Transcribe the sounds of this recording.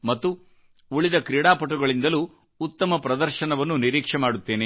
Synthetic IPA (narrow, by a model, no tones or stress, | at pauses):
mɐt̪ːu | uɭid̪ɐkɾiːɽaːpɐʈ̬ːuɡɐɭind̪ɐluː | t̪ːɐmɐpɾɐd̪ɐɾʃɐnɐʋɐnːuniɾiːkʂɛmaːɽut̪ːe̞ːne